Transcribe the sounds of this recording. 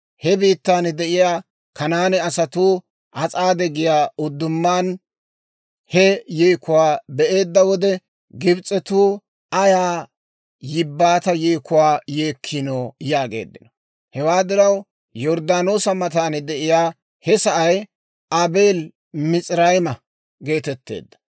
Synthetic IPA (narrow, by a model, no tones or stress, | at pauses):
hɛbiːt̪ːaːnd̪ɛʔɪjaː | kɐnaːnɛɐsɐt̪uː | ʔɐt͡sʼaːd̪ɛɡɪjaːʊd̪ːʊmːaːn | hɛjeːkːʊwaːbɛʔe̞ːd̪ːɐwɔd̪ɛ | ɡɪbt͡sʼːɛt̪uː | ʔɐjaː | jɪbːaːt̪ɐjeːkːʊwaːjeːkʰːɪnoːjaːɡḛːd̪ːɪnɔ̥ | hɛwaːd̪ɪɾɐw | jɔɾd̪aːno̞ːsɐmɐt̪aːnɛd̪ɛʔɪjaː | hɛsɐʔɐj | ɐbeːl | mɪt͡sʼɾɐjmɐ | ɡe̞ːt̪ɛt̪ːe̞̰ːd̪ːɐ̥